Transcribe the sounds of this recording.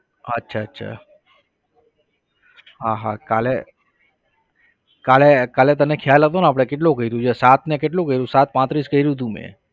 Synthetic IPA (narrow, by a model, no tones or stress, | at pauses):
ətːʃʰaətːʃʰa̰ | ɦaɦakale | kalekalet̪ənekʰjalɦət̪onaːp̬ɽ̃ekeʈ̬lokəiɾjũt͡ʃʰesat̪nekeʈ̬lũkəɦiɾjũsat̪̚pãt̪ɾiskəiɾũd̪ũmḛ̃